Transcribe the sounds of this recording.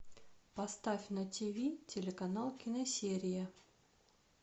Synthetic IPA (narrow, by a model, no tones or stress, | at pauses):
pɐst̪afʲnɐtʲivʲitʲelʲekɐnalˠkʲɪnɐsʲeɾʲɪjə